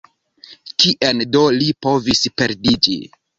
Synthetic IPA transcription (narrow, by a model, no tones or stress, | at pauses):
kiʔendo̞lipo̞vispe̞ɾdid͡ʒḭ